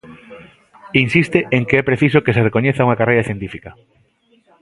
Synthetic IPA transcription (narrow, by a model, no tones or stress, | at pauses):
insist̪eʔeŋkeɛpɾeθisokeserekoɲeθauŋakarejɾɐθjent̪ifikɐ